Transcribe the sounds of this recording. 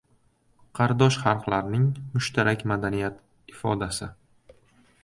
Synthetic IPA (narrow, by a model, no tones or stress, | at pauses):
qʰɑɾd̪ɒʃχɑɾqlaɾnɪŋmʊʃt̪ʰaɾʔakʲmad̪anijat̪ | ɪfɒd̪asɪ